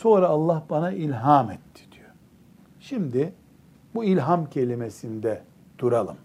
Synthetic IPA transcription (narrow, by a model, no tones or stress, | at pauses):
so̞ːɾaːlˠːahbanaʔilʲɦaːmɛt̪ʰːi̥d̪̥ijo | ʃimd̪i | builʲɦamcʰe̞lʲimesind̪ɛ | d̪̥uɾalˠɯm